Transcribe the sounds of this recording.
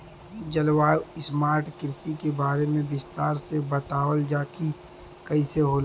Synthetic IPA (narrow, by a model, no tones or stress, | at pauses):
d͡ʒɐlwaːɪsmaːɾʈkɪɾsikebaːɾemẽbɪst̪aːɾsebɐt̪aːwəld͡ʒaːki | kɐiseɦoːla